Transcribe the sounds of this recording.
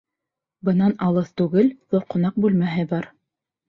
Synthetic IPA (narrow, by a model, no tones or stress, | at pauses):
bɤ̆nɑnɑlˠɤθt̪ʉɡɘlðoqŏnɑq̚bʉlmæɦɘbɑɾ